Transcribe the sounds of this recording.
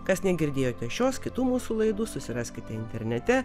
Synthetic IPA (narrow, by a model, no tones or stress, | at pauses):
kɐsnʲɛɡʲɪɾʲd̪ʲeːjoːt̪ʲɛʃʲoːskʲɪt̪uːmuːsuːlˠɐɪd̪uːsʊsʲɪɾɑːsʲkʲɪt̪ʲɛɪnʲt̪ʲɛɾʲnʲɛt̪ʲɛ